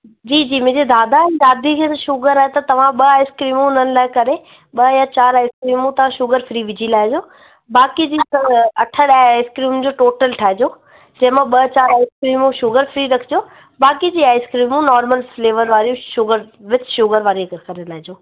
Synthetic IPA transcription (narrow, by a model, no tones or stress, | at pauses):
d͡ʑiːd͡ʑiːmʊ̃ːd͡ʑed̪ʱaːd̪aɛ̃ːdaːd̪ʱikʰeːt̪ɐʃʊɣəɾaːɦet̪ɐt̪ɐʋ̤ãɓɐaːɪskɾiːmũɪn̤ənɪ̆laːɪkɐɾe | ɓɐjãt͡ɕaːɾaːɪskɾiːmũt̪ɐʋ̤ãʃʊɣəɾfɾiːʋɪd͡ʑʱilaːɪd͡ʑoː | baːkid͡ʑiːsɐɐʈʰəɽaaːɪskɾiːmd͡ʑoːʈoːʈəlʈʰaːɦɪd͡ʑoː | d͡ʑɐ̃ɦɪ̃mãɓɐt͡ɕaːɾaːɪskɾiːmũʃʊɡəɾfɾiːɾɐkʰɪd͡ʑoː | baːkid͡ʑiːaːɪskɾiːmũnɔːɾməlfleːʋəɾʋaːɾijũʃʊɡəɾʋɪt͡ɕʃʊɣəɾʋaːɾiɐɡəkɐɾelaːɦɪd͡ʑoː